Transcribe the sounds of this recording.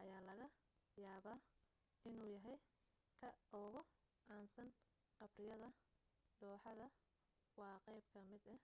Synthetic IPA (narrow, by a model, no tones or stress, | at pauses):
ʔɐjaːlɐɣɐ | jaːβaː | ɪnuːjɐɦɛj | kʰɐʔɔːɣɔʔaːnsɐn | qɐbrɪjɐðɐɖɔːħɑðɐ | wɑːqɛjb̚kʰɐmɪd̪ɐ